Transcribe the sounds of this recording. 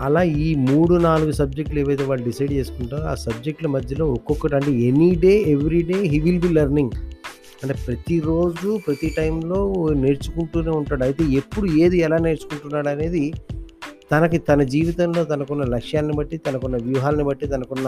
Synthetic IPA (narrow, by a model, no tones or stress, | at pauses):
ɐlaːiːmuːɽunaːluɡusɐb̚d͡ʒek̚ʈleːʋɐjt̪eːʋaːɭːuɖisɐjɖ̚t͡ʃe̞ːsu̥k̪uɳʈaːa̰ːsɐb̚d͡ʒe̞k̚ʈlɐmɐd̪ʱjɐlo̞ːɔkɔkːɐʈiɐɳʈe̞ːeniɖe̞ːeʋɾiɖe̞ːɦiːʋilbiːlɐɾniŋɡ | ɐɳʈe̞ːpɾɐt̪iɾo̞ːd͡ʒupɾɐt̪iʈɐjmlo̞ːne̞ɾt͡ʃu̥kuɳʈuːneːuɳʈaːɽɐjt̪e̞ːepːuɽueːd̪iɛlaːne̞ːɾt͡ʃu̥kuɳʈunːaːɽɐne̞ːd̪i | t̪ɐnɐkut̪ɐnɐd͡ʒiːʋit̪ɐmlo̞ːt̪ɐnɐkɔnːɐlɐkʂjaːlɐnibɐʈːit̪ɐnɐkɔnːɐʋjuːɦaːlɐnibɐʈːit̪ɐnɐkɔnːɐ